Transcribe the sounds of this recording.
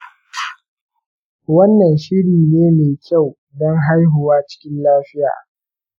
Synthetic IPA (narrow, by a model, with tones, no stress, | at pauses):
wɐ˦nːɐ˨nʃɪ˦ɽiː˨neː˦meː˨kʲa˦˨w | dɔ˦ŋɦa˦jɦʊ˨waː˦t͡ʃɪ̥˦kʲɪ˦nlaː˦ɸɪ˦ja̰ː˨